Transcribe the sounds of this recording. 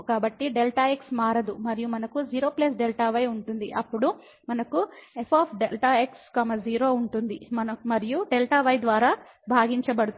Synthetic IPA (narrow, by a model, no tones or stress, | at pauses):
kaːbɐʈːiɖelʈaːeksmaːɾɐd̪umɐɾijumɐnɐkud͡ʒiːɾo̞ːplɐs̬ɖelʈaːʋɐjuɳʈund̪iʔɐpːuɽu | mɐnɐkuepʰaːpʰɖelʈaːekskɐmɐd͡ʒiːɾo̞ːuɳʈund̪imɐnɐmɐɾijuɖelʈɐʋɐjd̪ʋaːɾaː | bʱaːɡiɲt͡ʃɐbɐɽu